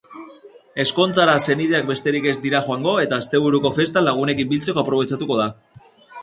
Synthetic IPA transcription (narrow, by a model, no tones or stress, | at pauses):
e̞sko̞nt͡saɾase̞nið̞e̞ak̚be̞st̪e̞ɾike̞zd̪iɾaxoaŋɡo̞e̞t̪aːst̪e̞β̞uɾuko̞fe̞st̪alaɣ̞une̞kimbilt͡se̞ko̞apɾo̞β̞e̞t͡sat̪uko̞ð̞a